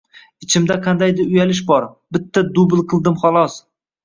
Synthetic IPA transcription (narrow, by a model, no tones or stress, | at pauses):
ɪt͡ʃʰɪmd̪aqʰɑnd̪ajd̪ɪɾʊjalɪʃ̬bɒɾbɪt̪ʰːad̪ʊblˠqʰɨlˠd̪ɪmχɒlˠɒs